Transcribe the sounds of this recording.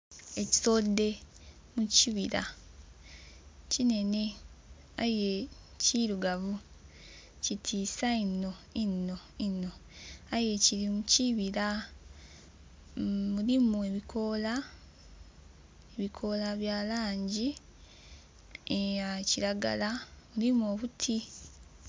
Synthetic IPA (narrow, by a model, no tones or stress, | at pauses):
e̞ci̥so̞dːe̞ | muciβiɾa̰ | cine̞ne̞ | aje̞ | ciɾuɡaβu | citʰiːsainːo̞inːo̞inːo̞aje̞ciɾimuciβiɾa | mulimue̞βikʰo̞la | eβikʰo̞laβjaːlaːɲɟi | aciɾaɡa̰lamulimuoβutʰi